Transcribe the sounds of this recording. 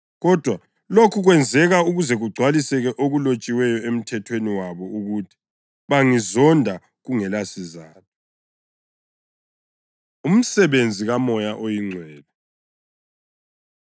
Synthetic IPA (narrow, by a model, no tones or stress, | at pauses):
ɣɔd̥ʱwa | lokʰuɣwɛnd͡zʱɛɣauɣuzɛɣuɡ͡ǀʱwalisɛɣɛʔoɣulot͡ʃʼiwɛjɔem̩tʰɛtʰweniwaβɔuɣutʰi̥ | βaŋizɔndʱa | ɣuŋɛlasizaːtʰɔ̥ | um̩sɛβend͡zʱiɣamɔjaʔojiŋ͡ǀʱwɛːla